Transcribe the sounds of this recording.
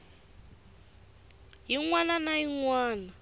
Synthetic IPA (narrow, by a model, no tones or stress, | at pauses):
ɦiŋwananaɦiŋwaːna